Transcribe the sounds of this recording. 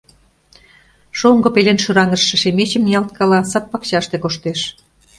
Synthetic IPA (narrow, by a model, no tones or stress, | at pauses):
ʃoŋɡŏpelenʃyɾɑŋə̆ʃːə̆ʃemet͡ɕə̆mjɑlt̪̚kʰɑlɑsɑpːɑkɕɑʃt̪ekoʃt̪eʃ